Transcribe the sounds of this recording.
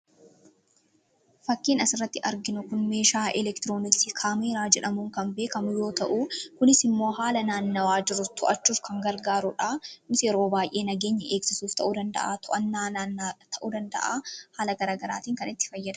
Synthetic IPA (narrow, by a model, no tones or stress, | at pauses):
fɐkːiːnɐsɪrːɐt̪ːɪʔɐɾɡɪnʊkʊnme̞ːʃaːʔɛlɛkt̪ɪɾo̞ːnɪksikʰaːmeɾaːd͡ʒɛᶑɐmuːŋkɐmbe̞ːkɐmʊjo̞ːt̪ɐʔukʊnɪsɪmːoːɦaːlɐnaːnːɐwaːd͡ʒɪɾʊt̪ʰɔʔɐt͡ʃːuːfkɐŋɡɐɾɡaːɾʊᶑaːnɪsjɛɾoːbaːjʔe̞ːnɐɡe̞ːɲːɐʔeːksɪsuːft̪ɐʔuːd̪ɐnd̪ɐ̰ʔaːt̪ʰʊʔɐnːaːt̪ʰɐʔud̪ɐnd̪ɐ̰ʔa̰ːhaːlɐɡɐɾaːɡɐɾa̰ːt̪iːŋkɐnɪt̪ːɪ̥fɐjːɐd̪ɐ